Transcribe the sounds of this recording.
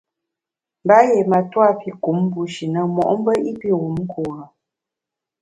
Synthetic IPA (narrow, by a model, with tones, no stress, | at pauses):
m˨ba˦je˨ma˨twa˦˨pi˦ku˨˦m˦bu˨˦ʃi˨nə˦mɔ̰˨ʔm˦bə˦i˦pi˦ɣu˨mŋ̩˦kʰuː˨ɾə˨